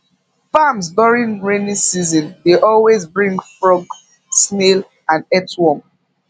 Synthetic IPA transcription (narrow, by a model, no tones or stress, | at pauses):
famsduɹĩnɹenĩsizɔ̃ndeʔɔlwezbɹĩŋɡfɹɔɡ | smel | ãnɛtwɔm